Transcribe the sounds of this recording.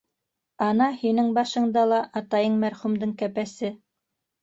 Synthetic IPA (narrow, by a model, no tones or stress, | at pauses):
ɑnɑhinɘŋbɑʃɤ̆ɴd̪ɑlˠɑʔɑt̪ɑjɤɴmæɾχumd̪ɤɴkæpæsɘ